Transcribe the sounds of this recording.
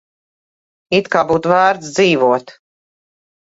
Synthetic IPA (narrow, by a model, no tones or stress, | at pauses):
it̪kaːbuːt̪væːɾt̪sd̪ziːvuɔt̪